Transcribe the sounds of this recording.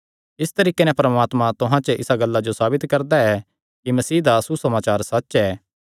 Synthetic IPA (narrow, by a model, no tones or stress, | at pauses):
ɪst̪ɐɾiːkenɛ̃pɾɐmaːt̪mãt̪ʊɦãt͡ʃəʔɪ̰saɡɐlːad͡ʒosaːbɪt̪kɐɾd̪aɛ | kimɐsiːd̪asusɐmaːt͡ʃaːɾsɐtːʃɛː